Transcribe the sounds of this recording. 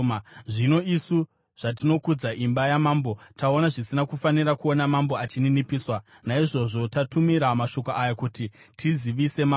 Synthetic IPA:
ʐino̞isu | ʐ̥at̬ino̞kud͡zaʔimbajamaːmbotao̞naʐisinakufanirakuonamambo̞at͡ʃininipiːswa | naiʐo̞ʐo̞tatumiɾamaʃo̞koʔajakutitʰiziʋise̞ma

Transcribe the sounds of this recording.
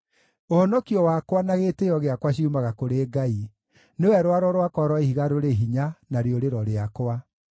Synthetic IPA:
ohɔnɔkiɔwakwanaɣeːtejɔɣeakwaɕiumaɣakoɾeːɡai | newɛɾwaɾɔɾwakɔɾɔihiɣaɾoɾeɦiɲanaɾeoɾeɾɔɾeakwa

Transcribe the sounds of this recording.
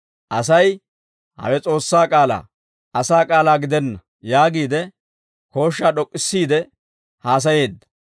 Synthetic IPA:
ʔɐs̬ɐj | hɐ̰wɛt͡sʼo̞ːsːaːkʼaːla̰ː | ɐsaːkʼaːlaːɡɪd̪ɛnːɐ | jaːɡiːd̪ɛ | ko̞ːʃːaːɗɔkʼːɪsːiːd̪ɛ | haːs̬ɐje̞ːd̪ːɐ̥

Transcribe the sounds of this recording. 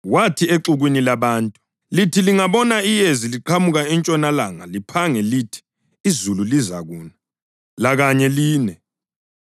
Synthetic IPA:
watʰieǃuɣwinilaβaːntʼu | litʰiliŋaβɔnaijeziliǃʰamuɣaɛnt͡ʃʼɔnalaŋa̰lipʰaŋɛlitʰi̥ː | zululiza̰ɣuːna | laɣaɲɛliːnɛ

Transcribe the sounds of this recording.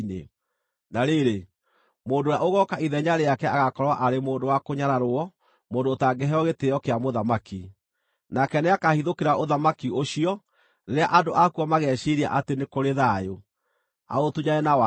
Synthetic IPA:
nḛ | naɾeɾe | moːndojaoɣɔkaʔiðɛɲaɾeakɛaɣakɔɾwaʔaɾemoːndowakoɲaɾaɾoɔ | moːndoːtaɡɛɦɛɔɣeteɔkeamoðamaki | nakɛneakahiðokeɾaʔoðamakioɕiɔ | neɾeaʔadoʔakuɔmaɣɛɕiɾia̰ʔatenekoɾeðaːjo | a̰otuɲaɛnawa

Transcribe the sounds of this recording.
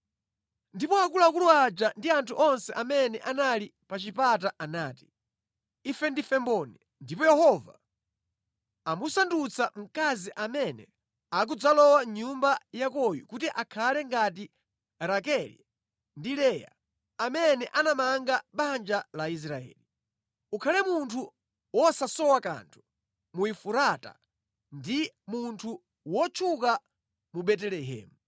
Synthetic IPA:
ndipɔakulakuluad͡ʒandiantʰuʔɔnsɛʔamɛnɛʔanali | pat͡ʃipataʔanaːti̥ | ifɛndifɛmbɔni | ndipɔjɛhɔva̰ | amusandut͡sʰam̩kaziʔamɛnɛ̰ | ak̬ud͡zalɔwaɲumbajakɔjṵkutiʔakʰalɛŋɡat̬i | ɾakɛlḭ | ndilɛja̰ | amɛnɛʔanamaŋɡaɓand͡ʒalais̬ɾaɛ̰ːli | ukʰalɛmuntʰu | wɔsasɔwaka̰ntʰu̥ | muifuɾata̰ | ndi | muntʰu | wɔt͡ʃʰuka | muɓɛt̬ɛlɛɦɛ̰ːmu

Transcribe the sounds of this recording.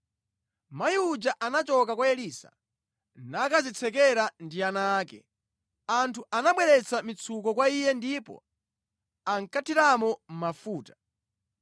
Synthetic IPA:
majiud͡ʒaʔanat͡ʃɔkakwaɛliːsa̰ | nakazit͡sʰɛkɛɾandianaːkɛ̰ | antʰuʔanaɓwɛɾɛt͡samit͡sʰukɔkwaijɛndipɔ̰ | aŋkatʰiɾamɔm̩mafuːtḁ

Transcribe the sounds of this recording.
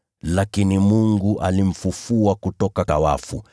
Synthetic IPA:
lakinimuŋɡuʔalim̩fufuakutɔkakawa̰fṵ

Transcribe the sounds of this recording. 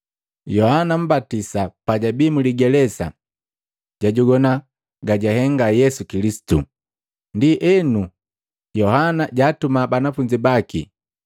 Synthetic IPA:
jɔhanam̩batisapaɟabimuliɡɛlɛsa̰ | ɟ̥aɟuɡɔna | ɡaɟaɦɛŋɡajɛsukilisi̥tṵ | ndiʔɛnu | jɔhanaɟaːtumabanafuɲd͡ʒibakḭ

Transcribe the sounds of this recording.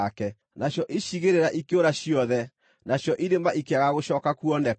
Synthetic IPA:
kɛ | naɕjɔʔiʃiɣeɾeɾaʔikeoɾaɕiɔðɛ | naɕjɔʔiɾemaʔikeaɣaɣoʃɔkakuɔnɛ

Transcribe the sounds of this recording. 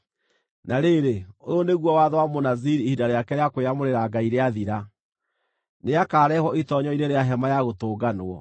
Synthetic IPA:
naɾeːɾeooneɣwɔwaðwamonaziɾihidaɾeakɛɾeakoeamoɾeɾaɡaiɾeaðiɾa | neakaːɾɛhwɔʔitɔɲɔineɾeaɦɛmajaɣotoːɡanoɔ

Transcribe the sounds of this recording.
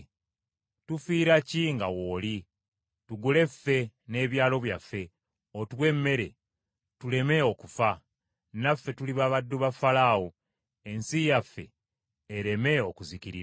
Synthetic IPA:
tufiːɾaciŋɡawoːli | tuɡule̞fe̞ne̞ːβjaːlo̞βjafːe̞ | otwe̞mːe̞ɾe̞ | tule̞me̞o̞kufa | nafːe̞tuliβaːβadːuβafalaːwo | e̞nsijafːe̞̰ː | ɾe̞me̞o̞kuziciɾi

